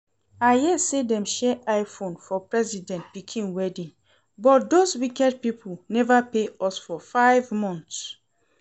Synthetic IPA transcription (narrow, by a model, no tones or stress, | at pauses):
ajɛsedɛ̃mʃɛʔaɪfõnfɔpɹɛzidɛ̃nt̚pikʰĩnwɛdĩn | bɔt̚doswikɛd̚pipʰulnɛvapeɔsfɔfaɪvmɔ̃nts